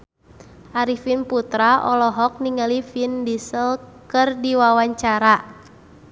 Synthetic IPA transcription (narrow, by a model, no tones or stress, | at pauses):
ʔaɾifinput̪ɾaʔɔlɔɦɔk̚niŋalifindisəlkɨrdiwawaɲt͡ʃaɾa